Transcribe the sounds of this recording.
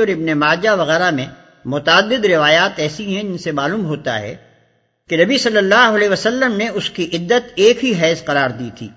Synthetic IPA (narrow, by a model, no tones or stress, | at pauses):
ɔːɾɪbnemaːd͡ʒaʋɐɣɛːɾamẽ | mʊt̪ːd̪ːɪd̪ɾɪʋaːjaːt̪ɛːsiɦɛ̃d͡ʒɪnsemaːluːmɦoːt̪a̰ɦɛ̰ | kenɐbisɐlːəlːaːɦʊɐlɛeːʋəsɐlːəmneʊskiʔɪd̪ːət̪eːkɦiɦɛːzqɐɾaːɾd̪iːt̪ʰḭː